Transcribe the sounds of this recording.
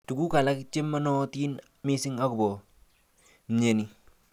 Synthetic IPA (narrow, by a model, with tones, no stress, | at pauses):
tu˨ku˦ka˨la˦kt͡ʃe˦ma˦nɔ˦ti˦n | mi˦si˦ŋa˦ku˨bɔ˨ | m˨ɲe˨ni˨˦